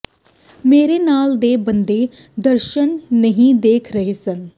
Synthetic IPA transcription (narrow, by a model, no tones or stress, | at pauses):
meːɾenaːld̪eːbənd̪e | d̪əɾʃənːəɦĩd̪eːkʰɾəɦesən